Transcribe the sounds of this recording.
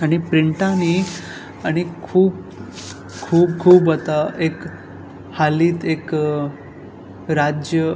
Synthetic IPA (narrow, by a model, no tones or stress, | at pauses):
añipɾiɳʈãni | aɽ̃ikʰuːb | kʰuːb̚kʰuːbət̪aʔek | haliːt̪ek | ɾad͡ʑjə